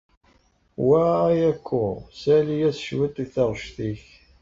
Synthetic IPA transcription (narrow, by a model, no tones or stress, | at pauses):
wæjækʰʷːʊsælijæsʃwæt̪iθɑʁʃθiç